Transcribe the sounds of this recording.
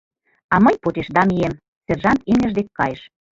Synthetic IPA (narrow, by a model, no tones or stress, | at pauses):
ɑməjpot̪eʃd̪ɑmiem | serʒɑnt̪emːə̆ʒd̪ekːɑjeʃ